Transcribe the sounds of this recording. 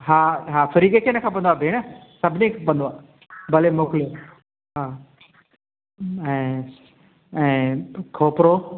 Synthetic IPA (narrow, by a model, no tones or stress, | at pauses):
ɦaːɦaːfɐɾiːɡekʰeːnəkʰãp̬ɐ̃nd̪oaːbʱeːɽ̃ə | sɐbʱɪnẽkʰãpɐ̃nd̪oaː | bɐlemoːklijo | ɦaː | ɛ̃ː | ɛ̃ːkʰoːpɾo